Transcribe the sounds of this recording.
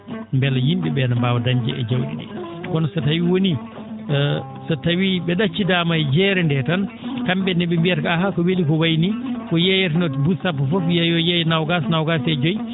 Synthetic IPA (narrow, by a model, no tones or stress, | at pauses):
mbɛlajimɓɛɓɛnambaːwadaɲd͡ʒɛ̰ʔɛ̰d͡ʒawɗḭɗɛ̰kɔnɔsatawiwoni | satawiɓɛɗat͡ʃːidaːmajd͡ʒɛːɾɛndɛtankamɓɛnɛɓɛmbiɛɾkaɦaːkɔwelikɔwajnikɔjɛjat̬inɔtbusapːɔfɔfjajɔjɛjnawɡasnawɡasɛd͡ʒoj